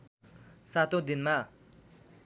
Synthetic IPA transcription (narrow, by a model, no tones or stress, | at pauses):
sat̪õd̪inma